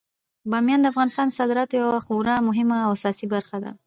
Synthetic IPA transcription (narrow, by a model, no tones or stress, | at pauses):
bɑmjɑnd̪əafɣɑnɪst̪ɑnsɑd̪ɾat̪jawaxuɾamʊɦɪmaːwasɑsibaɾxad̪a̰